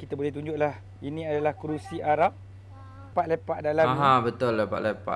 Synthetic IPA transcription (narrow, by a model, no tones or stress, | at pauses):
kit̪abolɛht̪uɲd͡ʒʊʔlah | inĩadalahkɾusiʔaɾap̚ː | at̪lepaʔdalamɦãbət̪ʊlːepa̰ʔ̪lepa̰